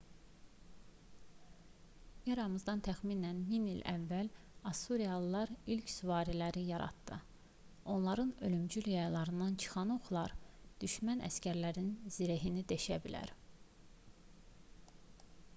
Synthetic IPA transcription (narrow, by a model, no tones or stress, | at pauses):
jɑɾɑmɯzd̪ɑnt̪ʰæxminænminilʔæ̰vːæl | ɑsuɾijɑlˠlˠɑɾilcsyvɑːɾilæɾijɑɾɑ̰t̪d̪ɯ̰ | o̞nlˠɑɾɯnø̞lymd͡ʒyljɑjlˠɑɾɯnd̪ɑnt͡ʃʰɯ̥χɑnoxlˠɑɾd̪̥yʃmænʔæ̰scæɾlæɾinz̥iɾeɦinid̪eʃæbilæ̰ɾ